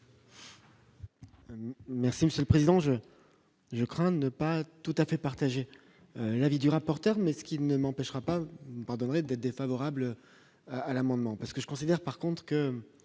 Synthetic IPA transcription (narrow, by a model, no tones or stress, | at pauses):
mɛʁsiməsjøləpχezid̪ɑ̃ʒə | ʒəkχɛ̃d̪ənəpat̪ut̪afɛpaʁt̪aʒe | ølavid̪yʁapɔʁt̪œʁmɛsə̥kʲinəmɑ̃pɛʃʁapauəpaʁd̪ɔnʁɛd̪ɛt̪χd̪efavɔʁablø | aalamɑ̃d̪mɑ̃paʁsə̥kəʒə̥kɔ̃sid̪ɛʁpaʁkɔ̃t̪χə̥kə